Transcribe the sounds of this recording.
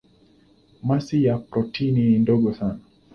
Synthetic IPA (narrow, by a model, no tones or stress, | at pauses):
masijapɾɔtʰinindɔɠɔsana